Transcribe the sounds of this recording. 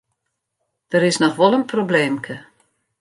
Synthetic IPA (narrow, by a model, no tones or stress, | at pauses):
d̥əɾɪsnɔxʋɔlˠənprobleːmkʰə